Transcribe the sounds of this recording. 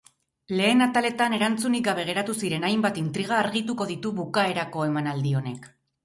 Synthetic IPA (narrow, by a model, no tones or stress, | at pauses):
le̞ːnat̪ale̞t̪ane̞ɾant͡sunik̚ɡaβe̞ɣ̞e̞ɾat̪usiɾe̞najmbat̪int̪ɾiɣ̞aːɾɣit̪uko̞ðit̪uβukae̞ɾako̞e̞manald̪io̞ne̞k